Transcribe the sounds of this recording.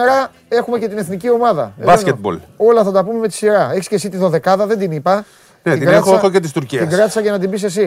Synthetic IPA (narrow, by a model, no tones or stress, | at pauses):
eɾɐ | e̞xumece̞t̪ine̞θnicio̞mɐðɐ̰ebɐsket̪̚bo̰lo̞lɐθɐt̪ɐpume̞met̪i̥siɾɐeçiscesit̪iðo̞ðe̞kɐðɐðe̞nd̪inipɐ | net̪iiɡɾnet̪xθocet̪ist̪uɾciiɡɾɐt̪i̥sɐʝɐnɐt̪imbis̬e̞s̬i